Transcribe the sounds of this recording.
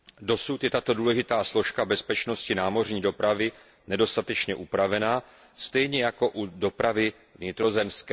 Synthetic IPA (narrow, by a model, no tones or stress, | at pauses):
do̞sut̪jɛt̪at̪o̞duːlɛʒɪt̪aːslo̞ʃkabɛspɛt͡ʃno̞scɪnaːmo̞r̝ɲiːdo̞pɾavɪ | nɛdo̞st̪at̪ɛt͡ʃɲɛʔupɾavɛnaː | st̪ɛjɲɛjako̞ʔudo̞pɾavɪ | vɲɪt̪ɾo̞zɛmskɛː